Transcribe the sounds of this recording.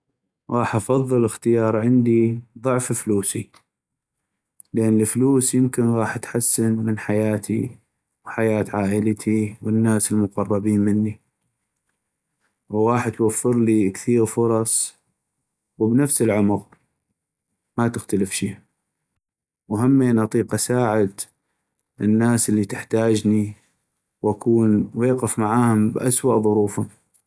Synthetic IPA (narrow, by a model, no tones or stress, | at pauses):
ɣɑːħʔɑfɑðˤːɨləxt̪ɪjɑːɾˤʕɪnd̪iðˤʊʕffluːsi | lʔanːəfluːsjɪmkɪnɣɑːħat̪ħasːɪnmɪnħajaːt̪ʰḭ | wħajaːt̪ʕaːʔɪlt̪ʰiwənːaːsəlmʊqɑrˤːɑbiːnmɪnːi | wɣɑːħt̪wafːɪɾlikθiːɾfʊɾˤɑsˤ | wəbnafsəlʕʊmʊq | mat̪ɪxt̪aləfʃiː | wɦamːiʔnʔɑt̪ˤiːqʔasaːʕɪd̪ | ʔɪnːaːsəlːit̪ɪħt̪aːd͡ʒni | wʔakuːnweːqɪfmaʕaːhʊmbʔaswaʔðˤʊɾuːfʊm